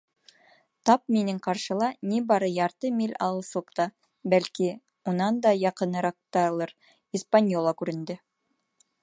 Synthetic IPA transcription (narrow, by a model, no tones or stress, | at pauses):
t̪ɑp̚minɘŋqɑɾʃɤ̆lˠɑnibɑɾɤjɑɾt̪ɤmilʲɑ̰ɤlˠsˠɤqt̪ɑ | bælʲki | munɑnd̪ɑjɑqɤ̆nɤ̆ɾɑq̚t̪ɑlˠɤɾ | ispanʲjolˠɑkʉɾɘ̆nd̪ɘ